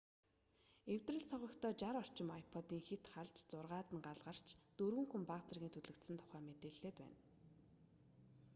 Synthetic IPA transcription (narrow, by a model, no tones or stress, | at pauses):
ew̥t̪rə̆ɮsɔʁɞ̆kt̪ʰɔːt͡ɕaɾɔr̥t͡ɕɪ̆majpʰɔt̪iːŋxet̪χaɮt͡ɕt͡sʊrʁaːt̪ə̆nɢaɮʁə̆r̥t͡ɕʰt̪ɵrɣɘ̆ŋxumpaʁt͡sə̆rɣʲiːnt̪ʰɵɮɵ̆kt̪sɘ̆nt̪ʰʊ̥χæːmet̪eːɮːeːt̪pæ̰ːn